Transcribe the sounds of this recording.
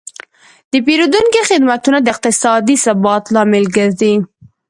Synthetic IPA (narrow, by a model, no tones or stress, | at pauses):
d̪əpeɾud̪uŋkixɪd̪mat̪unad̪əɪq̚t̪ɪsɑd̪isabɑt̪lɑmɪlɡəɾd̪i